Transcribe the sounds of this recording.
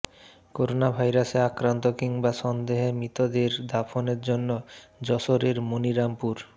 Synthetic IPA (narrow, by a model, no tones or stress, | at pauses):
koɾonabʱajɾaseakɾant̪okiŋbaʃɔnd̪eɦemɾit̪od̪eɾd̪ʱafʰoneɾd͡ʑonːod͡ʑɔʃoɾeɾmoniɾampuɾ